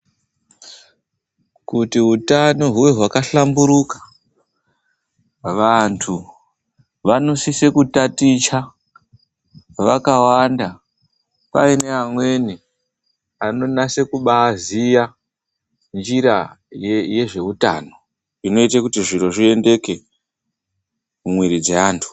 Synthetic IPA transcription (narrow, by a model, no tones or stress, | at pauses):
kutiɦutano̞ɦuwe̞ɦwakaɬambuɾukḁ | ʋantʰu | ʋano̞sise̞kutatit͡ʃa | ʋakawanda | paine̞amwe̞ni | ano̞nase̞kuɓaːzija | nd͡ʒiɾa | jeje̞ʐe̞uta̰ːno̞ | ino̞itakutiʐiɾo̞ʐie̞nde̞ke̞ | mumwiɾid͡zeaːntʰu̥